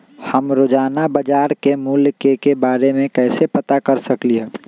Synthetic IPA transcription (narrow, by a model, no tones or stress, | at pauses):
həmɾod͡ʒaːnabəd͡ʒaːɾkemuːlkekebaːɾemẽkɛːsepət̪akɐɾsəkliɦe